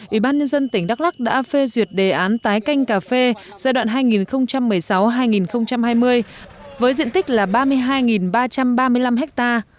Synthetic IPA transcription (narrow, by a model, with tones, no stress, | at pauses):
ʔʔḭ˧˩ɓaː˧nɲə˧nzə˧nt̪ï˩ŋ̟ɗa˦˥k̚la˦˥k̚ɗa̰ː˧˥fe˧zwi˨˩ət̚ɗe˨˩ʔaː˨˦nt̪aː˨˦jka˧jŋ̟kaː˨˩fe˧ | z̥aː˧jɗwa̰ː˧˨nɦaː˧jŋi˨˩nxə˧wŋ͡mt͡ɕa˧mːɨ˨˩əjsa˨˦wɦaː˧jŋi˨˩nxə˧wŋ͡mt͡ɕa˧mɦaː˧jmɨ˧əj | vəː˨˦jzḭ˧˨ənt̪i˦˥k̟̚laː˨˩ɓaː˧mɨ˧əjɦaː˧jŋi˨˩nɓaː˧t͡ɕa˧mɓaː˧mɨ˧əjla˧mɦɛ˦˥k̚t̪aː˧